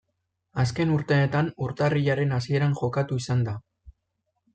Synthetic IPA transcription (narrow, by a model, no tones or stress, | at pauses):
aske̞nuɾt̪e̞ːt̪anuɾt̪ariʎaɾe̞nasie̞ɾanʝo̞kat̪uisand̪a